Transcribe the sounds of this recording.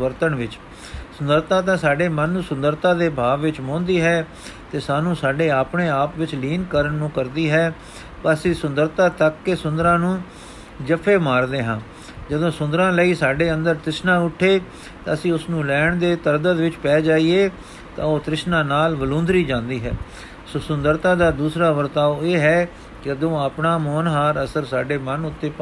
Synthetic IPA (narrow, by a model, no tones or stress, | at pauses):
ʋəɾt̪əɳʋɪt͡ʃ | sʊnd̪əɾt̪ãːt̪̬ãːsaːɖeːmənːũːsʊnd̪əɾt̪ãːd̪eːbʱaːʋʋɪt͡ʃmɔ̃ːnd̪iːɦɛː | t̪eːsaːnũːsaːɖeːaːpɳeːaːpʋɪt͡ʃliːnkəɾəɳːũːkəɾd̪iːɦɛː | pəsĩːsʊnd̪əɾt̪ãːt̪əkːsʊ̃nd̪ɾãːnũː | d͡ʒəpʰːeːmaːɾd̪eːɦãː | d͡ʒəd̪õːsʊ̃nd̪əɾãːləiːsaːɖeːənd̪əɾt̪ɪʃnãːʊʈʰːeː | t̪aːəsĩːʊsnũːlɛːɳd̪eːt̪əɾd̪ət̪ʋɪt͡ʃpɛːd͡ʒaːiːeː | t̪ã̰ːoːt̪ɾɪʃnãːnaːlʋəlõːnd̪ɾiːd͡ʒãːnd̪iːɦɛ̰ː | soːsʊnd̪əɾt̪ãːd̪aːd̪uːsɾaːʋəɾt̪aːʋeːɦɛː | kɪəd̪õːapnaːmɔːnɦaːɾəsəɾsaːɖeːmənʊt̪ːeːpa